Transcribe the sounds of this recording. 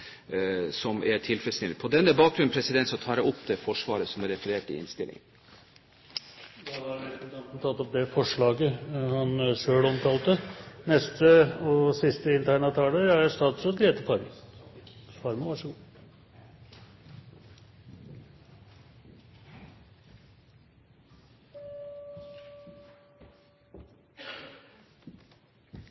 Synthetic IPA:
sɔmæʈʰɪlfɾɛt̪snɪlɪpʰɔd̪ɛnːəbɑːk̚ɡɾʉnn̩pʰɾɛsɪd̪ɛnt̪sɔt̪ʰɑːɾɛɔpd̪ɛfɔʂʋɑːɾəsɔmæɾɛfəɾeːʈɪ̰ɪ̰nst̪ɪ̰lɪ̰ŋə | d̪ɑɑɾnɛt̪ɑnt̪n̩t̪ʰɑt̪ːɔp̚d̪ɛfɔʂɭɑːɡəhɑnʂøːɭɔmt̪ʰɑːlt̪ənɛst̪əɔsɪst̪əɪnt̪ʰæɳɑt̪ʰɑːləæjæst̪ɑːt̪sɔt̪ɡeːt̪əfɑɾmə | fɑɾməʋɑʂəɡuː

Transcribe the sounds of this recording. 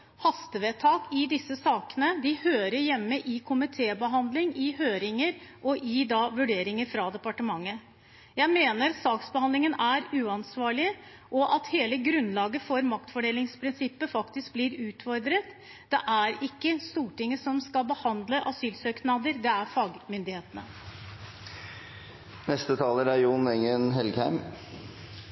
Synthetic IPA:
hɑst̪əʋeːt̪ʰɑːkɪd̪ɪsːəsɑːkənəd̪ɪhøːɾəɾjɛmːəʔɪkʰʊmɪt̪ʰeːbəɦɑnd̪lɪŋɪhøːɾɪŋəɾʔɔʔɪd̪ɑʋʉɖeːɾɪŋəɾfɾɑd̪ɛpɑʈəmɑŋːə | jæɪmeːnəɾsɑːksbəhɑnd̪lɪŋənæɾʉːɑnsʋɑːɭɪ | ʔɔʔɑt̪heːləɡɾʉnːlɑːɡəfɔɾmɑk̚t̪fɔɖeːlɪŋspʰɾɪnsɪpːəfɑkt̪ɪsk̚bliːɾʉːt̪fɔɾd̪ɾət̪ | d̪̥ɛʔæɾɪkːəst̪uːʈɪŋːəsɔmskɑlbəhɑnd̪ləʔɑsyːlsøːknɑd̪əɾd̪ɛæɾfɑːɡmʏnd̪ɪheːt̪ənə | nɛst̪ət̪ʰɑːləɾæɾjʊnɛŋənɦɛlɡhæɪm

